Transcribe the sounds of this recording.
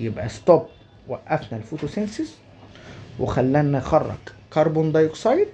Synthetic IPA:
jɪbʔæst̪ob | wæʔːæfnælfut̪usensɪs | wɪxælːænːæxɑrˤːɑ̰ɡkɑɾˤbond̪ˤɑjksˤɑjd̪̚

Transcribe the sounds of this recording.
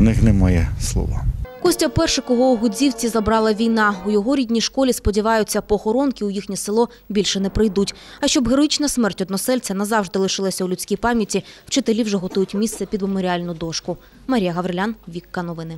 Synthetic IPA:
nɪxnɛmɑjɛslˠɔ̰ʋɔ̰kɔsʲtʲɐpɛrʃɛkɔɦɔʊɦʊzʲiwt͡sʲizɐbɾɑlˠɐʋʲijnɑʊjɔɦɔɾʲidʲnʲijʃkɔlʲispɔdʲiʋɑjʊt͡sʲːɐpɔːxɔɾɔnkʲɪujixnʲɛsɪlˠɔ | bʲilʲʃɛnɛpɾɪjd̪utʲɐʃt͡ʃɔbɦeɾɔjit͡ʃnɐsmɛrtʲɔd̪nɔsɛlʲt͡sʲɐnɐzɑwʒd̪ɪlˠɪʃɪlˠɐsʲɐulʲʊt͡sʲkʲijpɑmʲjɐtʲiw̥t͡ʃɪt̪elʲiwʒɛɦɔt̪ujʊtʲmʲist̪sɛpʲid̪memɔɾʲiɑlʲnʊd̪ɔʃkʊ | mɐɾʲijɐɦɐʋɾelʲanʋʲikːɐnɔʋɪnɪ

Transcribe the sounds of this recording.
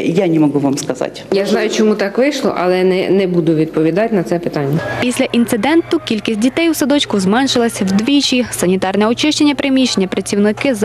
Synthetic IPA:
janʲɪmɐɡuʋamskɐza̰tʲjaznɑjʊt͡ʃɔmut̪ɑkʋɪʃlˠɔ̰ʔɐlˠɛnɛnɛbud̪ʊʋʲid̪̚pɔʋʲid̪ɑtʲnɐt̪sɛpɪt̪anʲːɐpʲisʲlʲɐʔint̪sɪd̪ɛnt̪ʊkʲilʲkʲisʲt̚ʲdʲit̪ɛjwsɐd̪ɔt͡ʃkʊzmɛnʃɪlˠɐsʲwd̪ʋʲit͡ʃʲisɐnʲit̪ɑrnɛɔt͡ʃɪʃt͡ʃenʲːɐpɾemʲiʃenʲːɐpɾɐt͡sʲiwnɪkɪz

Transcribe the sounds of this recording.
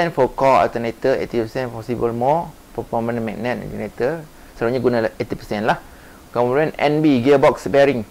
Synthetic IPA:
ɛnfɔkɔa̰lt̪ənet̪əfḛt̪ipəsɛ̃npɔsibəlmɔ | pəfɔmə̃nmɛ̰k̚nɛt̪̚ɔ̰lt̪ənet̪ə | saɾuɲaɡunãlahʔet̪ipəsɛnlah | kə̃luanɛ̰nbiɡəbɔksbɛɾɪŋ

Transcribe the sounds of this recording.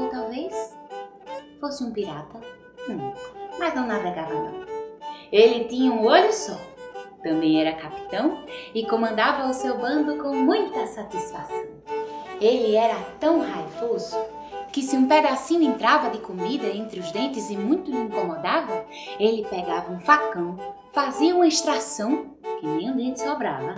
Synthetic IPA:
t̪awves | fosɪũpiɾat̪ɐ | nũmɐznɐ̃w̃navɛɡavɐnɐ̰̃w̃ | elɪt̪ĩɲɐũoʎʊsɔt̪ɐ̃mbẽj̃ɛɾɐkapi̥t̪ɐ̃w̃ɪkõmɐ̃nd̪avɐʊsewbɐ̃nd̪ʊkõw̃mũj̃t̪ɐsat̪isfasɐ̃w̃elɪɛɾɐt̪ɐ̃w̃hajvozʊ | kɪsɪũpɛd̪asĩnʊẽnt̪ɾavɐd̪ɪkomid̪ɐẽnt̪ɾɪʊzd̪ẽnt̪ɪzɪmũj̃t̪ʊĩŋkõmɔd̪ad̪ʊ | elɪpɛɡavɐũfakɐ̃w̃ | faziɐũmɐiʃt̪ɾasɐ̃w̃ | kɪnẽũd̪ẽt̪ɪsobɾa̰vɐ

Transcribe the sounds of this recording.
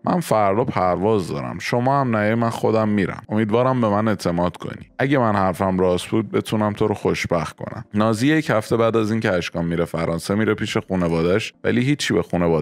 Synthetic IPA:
mʔæ̰nfæɾd̪opʰæɾvɒːzd̪ɒ̰ːɾæ̰mʃomɒːhæmnæimænxo̞d̪æmːiːɾæ̰mo̞miːd̪vɒːɾæmbe̞mæne̞t̪ʰe̞mɒːd̪̥kʰo̰nḭæɟe̞mænhæɾfæmɾɒːsbuːd̪̚be̞t̪ʰuːnæmt̪ʰoɾoxoʃb̥æxt̪kʰo̞̰næ̰mnɒːziːjechæft̪ʰe̞bæːd̪æziːnceæʃkɒːmːiːɾefæɾʔɒːnsemiːɾepʰiːʃexuːne̞vɒːd̪æʃvæ̰liːɦiːt͡ʃʰːibexuːnevɒː

